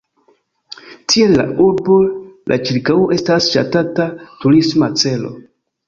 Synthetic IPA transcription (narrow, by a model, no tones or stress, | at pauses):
tʰie̞lːa̰ʔuɾbo̞lʔa̰t͡ʃiɾkawoʔe̞stasʃa̰tatatuɾismat͡se̞lo̞̰